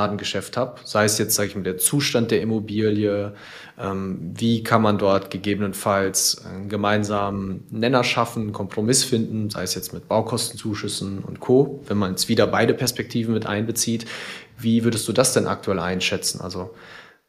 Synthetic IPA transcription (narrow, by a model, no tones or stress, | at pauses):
aːdn̩ɡəʃɛfthaːpz̥aɪəsjɛt͡stz̥aːɡəɪçmaːldeːɐt͡suːʃtant̚d̥eːɐʔimobiːljə | ʔɛːmviːkʰanmandɔɐtɡ̥əɡeːbənənfalsanɡəmaɪnzaːmənɛnɐʃafn̩kʰɔmpʁ̥omɪsfɪndn̩za̰ɪəsjɛt͡stmɪt̚b̥aʊkʰɔstn̩t͡suːʃʏsn̩ʊ̰ntkʰoːvɛnmanjɛt͡stv̥iːdɐbaɪdəpʰɛɐspɛk̚tʰiːvn̩mɪtʔa̰ɪnbət͡siːt | viːvʏɐɾəstd̥uːdasd̥ɛnʔa̰k̚tʰuɛlʔa̰ɪnʃɛt͡sn̩ʔa̰lzo